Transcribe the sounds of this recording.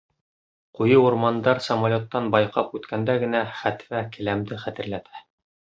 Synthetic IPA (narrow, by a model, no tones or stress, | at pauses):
qujɤuɾmɑnd̪ɑɾsɐmolʲot̪ːɑnbɑjqɑpʉt̪kænd̪æɡɘ̆næχæt̪fækɘ̆læmd̪ɘχæt̪ɘ̆ɾlæt̪ʰæ̥